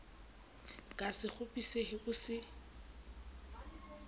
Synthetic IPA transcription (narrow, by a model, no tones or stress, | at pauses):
kʼasɪχʊpʼisehɪbʊsɪ